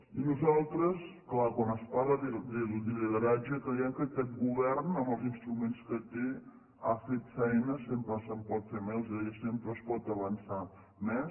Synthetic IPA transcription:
inuzalˠt̪ɾəsklakwanəspaɾəðid̪ild̪iliðəɾad͡ʒəkɾejɛkəkɛt̪̚ɡuβɛɾnəməlˠzinst̪ɾumenskət̪e | afet̪fɛjnəsempɾəsəmpɔt̪femɛlˠzɛəsempɾəːspɔt̪əβənsa | mɛ

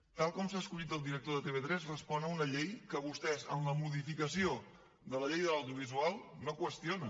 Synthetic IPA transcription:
t̪alˠkɔms̬aəskuʎit̪əlˠd̪iɾək̚t̪oðət̪eβet̪ɾɛzrəspɔnəunəʎejkəβust̪ɛzənləmuðifikəsio | ðələʎejðələwðiuβ̞izualˠnokwəst̪ionə

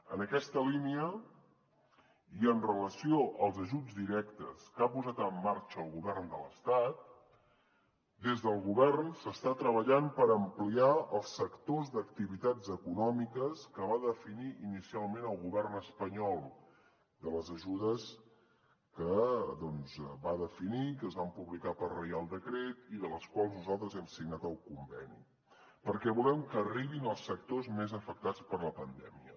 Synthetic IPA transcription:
ə̰nəkɛst̪əliniə | iənrələsioʔəlˠzəʒud͡zd̪iɾɛkt̪ə̰skapuzat̪əmːaɾt͡ʃəːlˠɣuβɛrnd̪ələ̰st̪at̪̚ | d̪ezðəlˠɣuβɛrnsəst̪at̪ɾəβəʎampəɾəmpliaəlˠsːəkt̪ozd̪əkt̪iβit̪ad͡zəkunɔmikəskəβaðəfiniʔinisialˠmenəlˠɣuβɛrnəspəɲɔlˠ | d̪ələzəʒuðəs | kəðɔnzβaðəfinikəzβampuβlikapərrəjalˠd̪əkɾet̪iðələskwalˠznuzalˠt̪ɾəzɛmsiɡnat̪əwkumbɛnḭ | pəɾkɛβulɛmkəːriβinəlˠsːək̚t̪ozmezəfək̚t̪at͡spəɾləpənd̪ɛ̰miə̰

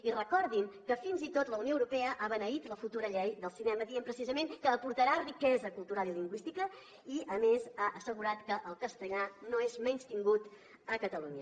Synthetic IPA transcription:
irəkɔɾðiŋkəfinzit̪ot̪ləunioəwɾupɛəʔaβənəit̪ləfut̪uɾəʎejðəlˠsinɛməðiəmpɾəsizəmeŋkəːpuɾt̪əɾarikɛzəkulˠt̪uɾaliliŋɡwist̪ikə | iəmezaʔəsəɣuɾat̪kəʔəlˠkəst̪əʎanoezmɛɲst̪iŋɡut̪ | əkət̪əluɲə

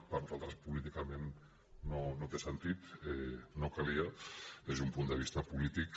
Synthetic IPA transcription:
paɾnuzalˠt̪ɾəspulit̪ikamenː | onot̪esənt̪it̪ɛnokaliad̪ezðumpund̪əβ̞ist̪ɐpulit̪ik

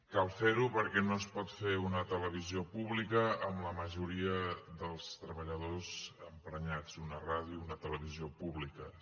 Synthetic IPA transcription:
kalˠfeɾupəɾkɛnoəspɔt̪feunət̪ələβiziopuβlikəːmləməʒuɾiəðəlˠst̪ɾəβəʎəðozəmpɾəɲat͡sunəraðjuunət̪ələβ̞iziopuβlikə

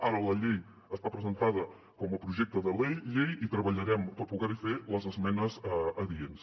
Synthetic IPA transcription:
aɾələʎej | əst̪apɾəzənt̪aðə | kɔməpɾuʒɛk̚t̪əðəlejʎejit̪ɾəβəʎəɾɛmpəɾpuɣɛɾifeləzəzmɛnəzəðiens

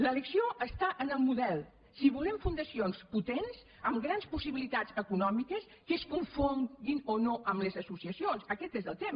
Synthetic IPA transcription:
lələksioʔəst̪aʔənəlˠmuðɛlˠ | siβulɛɱfund̪əsionsput̪enz | əmɡɾanspusiβilit̪azəkunɔmikəs | kəskuɱfoŋɡinonoʔəmləzəsusiəsionsəkɛt̪ezðəlˠt̪em

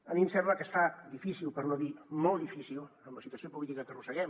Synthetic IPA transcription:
əmimsɛmbləkəsfaðifisilˠpəɾnoðimolˠd̪ifisilˠəmləsit̪uɐsiopulit̪ikəkərusəɣɛm

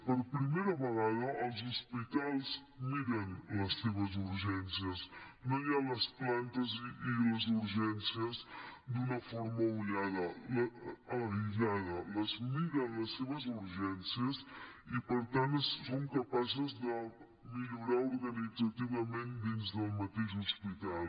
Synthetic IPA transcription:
pəɾpɾimeɾɐβəɣaðəʔəlˠzuspit̪alˠz | miɣənləsːeβəzuɾʒɛnsiəsnoʎaləsplant̪əziləzuɾʒɛnsiəzd̪unəfɔɾməuʎaðələəɾiʎaðələzmiɣənləsːeβəzuɾʒɛnsiəzipəɾt̪ansːoŋkəpazəzd̪ə | miʎuɾauɾɣənid͡zət̪iβəmẽnd̪inzd̪əlˠmət̪eʃuspit̪al

